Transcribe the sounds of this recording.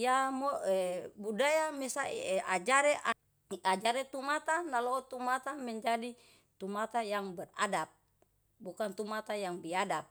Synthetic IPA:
jamoɛbudajamɛsaḭɛʔad͡ʒaɾeʔa | ad͡ʒaɾet̪umat̪analot̪umat̪amɛɲd͡ʒadi | t̪umat̪ajaŋbɛra̰dap̚ | bukant̪umat̪ajaŋbiadap̚

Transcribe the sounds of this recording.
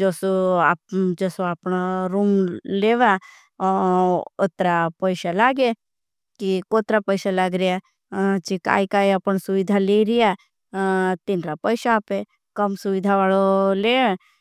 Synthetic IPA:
d͡ʒoso | d͡ʒosoaːpnaɾuːmleːʋa | ot̪ɾapəɪsalaːɡe | kikoːt̪ɾapəɪsalaːɡɾija | t͡ʃika̰ːjkaːjəpəɳsʊʋɪd̪ʱaleɾija | t̪ɪnɾapəjʃaːpe | kəmsʊʋɪd̪ʱaʋaːlolẽː

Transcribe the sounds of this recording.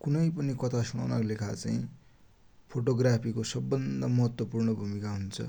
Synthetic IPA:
kunʌjpʌnikʌt̪ʰasuña̰naklekʰat͡sa̰ĩ | pʰoʈoɡrapʰikosʌbːʌnd̪ʌmʌɦʌt̪wʌpurɳʌbʱumikaɦunt͡sʰʌ̰

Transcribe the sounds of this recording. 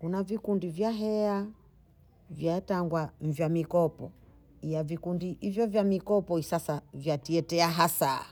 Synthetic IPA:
kunavikundivjaɦɛa | vjataŋɡwam̩vjamikɔpɔ | ijavikundiivjɔvjamikɔpɔisasavjatiɛtɛaɦasa̰

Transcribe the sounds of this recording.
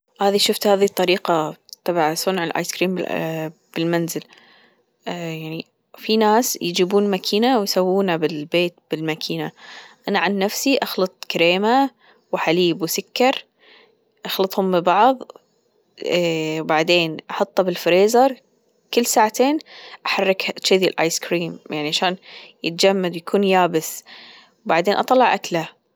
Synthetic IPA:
haːðiʃʊft̪haːðit̪ˤːɑɾiːqat̪ˤɑbʕasˤʊnʕɪlʔa̰ːjskɾiːmbɪb̥ɪlmanzɪl | jaʕni | finaːsjɪd͡ʒiːbuːnmakʰiːnawjsawːuːnabɪlbeːt̪̚bɪlmakʰiːnaʔanaʕanːafsiʔɑxlɑt̪ˤkaɾeːma | wħaliːbwsʊkːɑɾˤ | ʔɑxlɑt̪ˤhʊmːɪbɑʕðˤ | wbaʕd̪eːnʔɑħɑt̪ˤːɑbɪlfɾeːzɑɾˤ | kɪlːsaːʕat̪eːnʔaħɑrːɪk̪ʃɪðilʔa̰ːjskɾiːmjaʕniʔʕaʃaːnjɪt̪̚d͡ʒamːad̪wjakʰuːnjaːbɪs | wbaʕd̪eːnʔɑt̪ˤɑlːɑʕʔakla

